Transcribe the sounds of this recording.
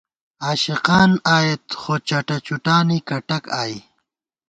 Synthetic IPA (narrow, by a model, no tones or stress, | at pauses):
aːʃiqɑːnaːjet̪xoːt͡ɕɐʈat͡ʃuʈaːnikɐʈɐkaːj